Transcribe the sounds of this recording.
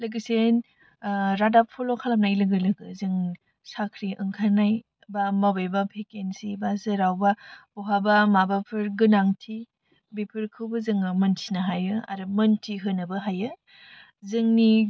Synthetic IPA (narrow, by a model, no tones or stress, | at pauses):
lɯɡɯsen | ɾadappʰɔlokʰalam̚najlɯɡɯlɯɡɯzɯŋ | sakʰɾiʔɯŋkʰanaj | bamabajbapʰekensibazɯɾawbab̥ɔɦabamabapʰɯɾɡɯnaŋtʰi | bipʰɯɾkʰɯwbɐzɯŋɯmɐntʰinaɦajɯa̰ɾɯmɐntʰiɦɯnɯbɯɦajɯ | zɯŋni